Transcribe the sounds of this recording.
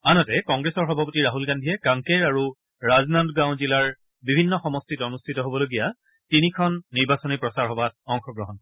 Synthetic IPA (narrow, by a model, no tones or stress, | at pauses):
anɔtɛkɔŋɡɹesɔɹxɔbʱapotiɹaɦulɡandʱiɛkãŋkeɹaɹu | ɹaznandɡãw̃zilaɹ | bibʱinːɔxɔmɔstʰitɔonustʰitɔɦobɔloɡija | tinikʰɔnːiɹbasɔnipɹɔsaɹɦɔbat̚ɔŋxɔɡɹɔɦɔn